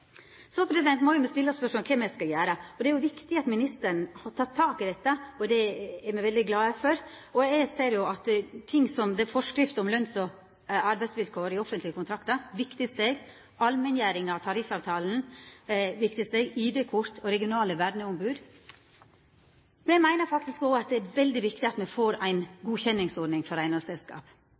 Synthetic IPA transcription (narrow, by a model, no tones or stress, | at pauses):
sɔpʰɾɛsɪd̪ɛnt̪mɔjʊmɛst̪ɪlːɔspœʂɔmkʰɛmɛskɑjæːɾəɔd̪ɛæɾjʊʋɪkt̪ɪɑt̪mɪnɪst̪əɳhɑtʰɑt̪ʰːɑːkɪd̪ɛt̪ːəɔd̪ɛɛɾmɛʋɛld̪ɪɡlɑːɛfɔɾɔæɪseːɾjʊɑt̪t̪ʰɪŋːsɔmd̪ɛfɔʂkɾɪft̪ɔmlœnsɔ | ɑɾbæɪsʋɪlkʰoːɾɪɔfənt̪lɪəkʊnt̪ʰɾɑkt̪əɾʋɪkt̪ɪst̪eːɡ | ɑlmɛnjæːɾɪŋɑʋt̪ʰɑɾɪfɑːʋt̪ʰɑːln̩ | ʋɪkt̪ɪst̪eːɡiːd̪eːkʰʊɾt̪ʰɔɾɛɡɪʊnɑːləʋæɖɳəʊmbʉːd̪ | mɛnæɡmæɪnəɾfɑkt̪ɪskɔːɑt̪̚d̪ɛæɾʋɛld̪ɪʋɪkt̪ɪɑt̪mɛfoːɾæɪnɡuːçɛnːɪŋsɔɖnɪŋfɔɾæɪnɑsɛlskɑ̰ːp